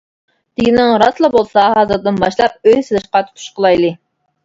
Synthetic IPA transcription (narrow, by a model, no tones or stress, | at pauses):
t̪ɪɡʲɪnɪŋɾɑslˠɨbolˠsɑɦɑːzɨɾd̪ɨnbɑʃlˠɑp̚øjselɨʃqɑt̪ʰu̥t̪ʰu̥ʃqəlˠɑjlˠɨ